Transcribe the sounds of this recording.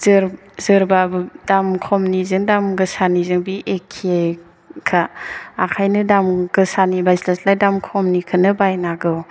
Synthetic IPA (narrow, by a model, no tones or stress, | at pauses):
zɯɾ | zɯɾbabɯdamkʰɔmnizɯŋdamɡɯsanizɯŋbiʔekʰie | kʰaːkʰajnɯdamɡ̥ɯsanibajslaslajdamkʰɔmnikʰɯnɯbajnaɡɯw